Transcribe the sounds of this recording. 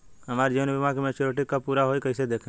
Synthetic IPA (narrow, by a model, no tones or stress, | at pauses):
ɦɐmaːɾd͡ʒenbimãkemẽt͡ʃoɾoːʈɪkːapuːɾaɦoːikəɪsed̪eːkʰẽ